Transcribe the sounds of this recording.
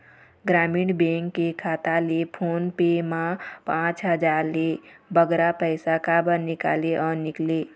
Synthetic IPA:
ɡɾamiːɳbẽŋkːekʰat̪alepʰonpemapãt͡ʃɦəd͡ʒaɾlebəɡɾapəjsakabənika̰leʔɔnikle

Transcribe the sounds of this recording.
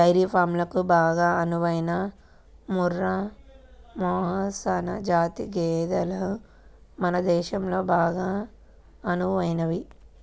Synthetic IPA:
ɐjɾiːpʰaːɾmlɐkubaːɡaːɐnuʋɐjinɐ | muɾːɐ | mɔːɦɐsɐnɐ̰d͡ʒaːt̪iɡɛːd̪ɐlɐ | mɐnɐd̪ɛːʃɐmlo̞ːbaːɡaː | ɐnuʋɐjnɐʋi

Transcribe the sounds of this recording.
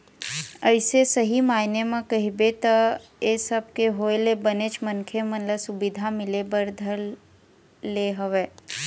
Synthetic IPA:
əɪsesəɦimaːɪnemãkɐɦibet̪əesəb̚keɦoːlebənet͡ʃmənkʰemənləsʊbɪd̪ʱamɪlebəɾd̪ʱəlː | eɦəʋeː

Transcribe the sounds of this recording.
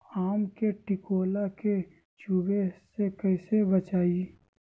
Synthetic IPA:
aːmkeʈɪkoːlake | t͡ʃubesekɐisebɐt͡ʃaːi

